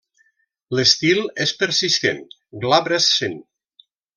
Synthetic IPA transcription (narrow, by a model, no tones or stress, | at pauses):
ləst̪ilˠespəɾsist̪ḛn | ɡlaβɾesːen